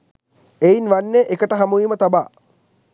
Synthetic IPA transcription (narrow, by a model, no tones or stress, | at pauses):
einʋanːeʔekəʈəɦamuimət̪abaː